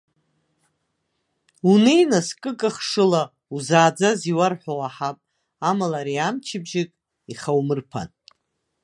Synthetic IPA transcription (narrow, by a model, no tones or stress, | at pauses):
unejnaskʼɨkʼaχʂɨla | uzaːd͡zaziwarħʷᶣowaħapʼ | amalaɾiamt͡ʃʰɪbʒɪkʼ | iχawmɨrpʰa̰tʼ